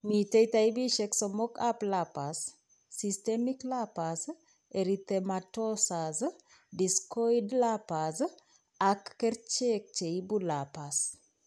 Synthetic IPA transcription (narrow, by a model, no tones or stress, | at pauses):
mitejtaibiʃɛksomokaplapasː | istemiklapas | eɾit̪ematosaz | diskojdlapaz | akːɛrt͡ʃek̚t͡ʃeibulapas